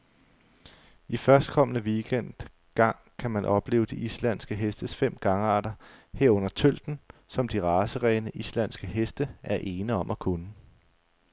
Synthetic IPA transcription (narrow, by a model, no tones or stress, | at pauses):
ifɶɐsd̥̚kʰɒ̽mənəʋiɡ̥en̰d̥ | ɡ̥ɑ̈ŋ̰kʰæmænʔɒ̽b̥le̝ːʊd̥iʔislæn̰sɡ̥əɦesd̥əsfem̰ɡ̥ɑ̈ŋəɑ̈ːd̥ɐhe̝ɐ̰ɔ̽n̰ɐt͡sʰøl̰d̥n̩sɒ̽md̥iʁɑ̈ːsəʁɛːnəʔislæn̰sɡ̥əɦesd̥əʔæɐʔe̝ːnəɒ̽mʔɒkʰunə